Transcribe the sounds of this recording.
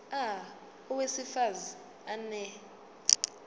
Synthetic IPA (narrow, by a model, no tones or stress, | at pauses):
a | uwesifazi | anɛ